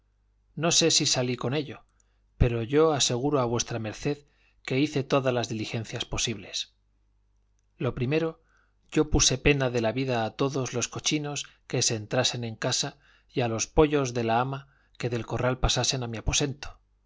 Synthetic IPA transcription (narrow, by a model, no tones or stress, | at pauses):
no̞se̞sisaliko̞ne̞ʎo̞ | pe̞ɾo̞ʝo̞ase̞ɣ̞uɾoaβwe̞st̪ɾame̞ɾθe̞ð | ke̞iθe̞t̪o̞ðazlazðilixe̞n̟θjaspo̞siβle̞s | lo̞pɾime̞ɾo | ʝo̞pusepe̞naðe̞laβiðaːt̪o̞ðo̞zlo̞sko̞t͡ʃino̞s | ke̞seːnt̪ɾase̞nẽ̞ŋkasa | jalo̞spo̞ʎo̞zðe̞laama | ke̞ðe̞lko̞ralpasase̞namiapo̞se̞nt̪o̥